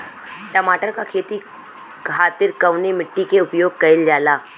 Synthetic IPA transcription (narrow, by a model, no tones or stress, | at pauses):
ʈɐmaːʈəɾkakʰeːt̪i | kʰaːt̪ɪɾkɐʋnemɪʈːikeʊpjoːɡ̚kɐɪld͡ʒaːlaː